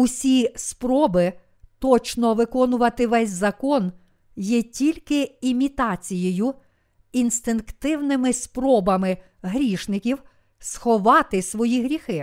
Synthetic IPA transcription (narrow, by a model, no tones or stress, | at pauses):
ʊsʲispɾɔbɪ | t̪ɔt͡ʃnɔʋɪkɔnʊʋɐt̪ɪʋɛsʲzɐkɔn | jɛtʲilʲkɪimʲit̪ɑt͡sʲijɔjʊ | inst̪ɪnkt̪ɪwnɪmɪspɾɔbɐmɪ | ɦɾʲiʃnɪkʲiw | sxɔʋɑt̪ɪsʋɔjiɦɾʲixɪ